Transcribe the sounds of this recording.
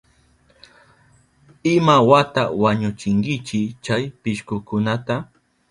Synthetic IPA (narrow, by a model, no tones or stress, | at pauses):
ɪmawat̪awaɲʊt͡ʃɪŋkɪt͡ʃɪt͡ʃajpɪʃkʊkʊnat̪a